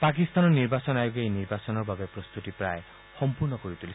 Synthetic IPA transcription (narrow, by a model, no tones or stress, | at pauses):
pak̬ist̪anɔniɾbasɔnajoɡejniɾbasɔnɔɾbʱabepɾɔst̪ut̪ipɾaj | hɔmpuɾnɔkɔɾit̪uli